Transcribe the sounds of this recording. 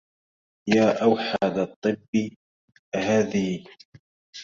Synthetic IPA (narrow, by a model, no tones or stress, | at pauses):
jaːʔawħad̪ɑt̪ˤːɨbːɪ | haːðɪ